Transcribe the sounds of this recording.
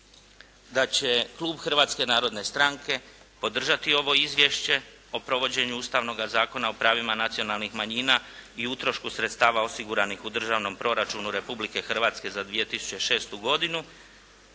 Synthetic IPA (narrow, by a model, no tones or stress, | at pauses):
d̪at͡ɕe̞klˠuːbxr̩ʋaːt̪ske̞naːɾo̞d̪ne̞st̪ɾaŋke̞ | po̞d̪r̩ʒat̪io̞ʋo̞izʋʲje̞ʃt͡ɕe̞ | o̞pɾo̞ʋo̞d͡ʑe̞ɲuuːst̪aʋno̞ɡazaːko̞nao̞pɾaːʋimanat̪sijo̞nalˠnixmaɲiːnaiut̪ɾo̞ʃkusɾet̪st̪aːʋao̞siɡuɾanixud̪r̩ʒaːʋno̞mpɾo̞ɾat͡ʃuːnuɾe̞publike̞xr̩ʋaːt̪ske̞zad̪ʋije̞t̪isu̥t͡ɕeʃe̞ːst̪uɡo̞d̪inu